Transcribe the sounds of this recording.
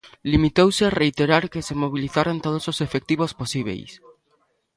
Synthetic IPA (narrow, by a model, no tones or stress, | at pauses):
limit̪owseareit̪eɾaɾkesemoβ̞iliθaɾont̪oð̞ososefek̚t̪iβ̞osposiβ̞ḛjs